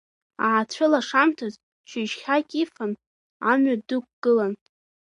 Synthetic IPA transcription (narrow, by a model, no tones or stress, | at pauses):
aʕat͡ɕʷʰʊlaʂamtʰaz | t͡ʃʷʰɪʒχʲakʲʼifan | amɥadɨk̚ʷʰʼɡ̥ɨlan